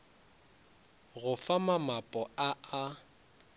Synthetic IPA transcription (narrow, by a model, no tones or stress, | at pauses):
ɣʊfamamapʼɔaa